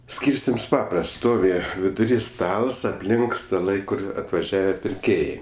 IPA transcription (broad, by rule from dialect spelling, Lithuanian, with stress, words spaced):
ˈsʲkʲiːrʲsʲtʲɪms ˈpɑːprɐsts ˈstoːʋʲɪ ʋʲɪdʊˈrʲiː ˈstɐlˠs ɐpʲˈlʲɪŋk stɐˈlˠɐɪ ˈkʊr ɐtʋɐˈʒʲæːʋʲɛ pʲɪrʲˈkʲeːjɛɪ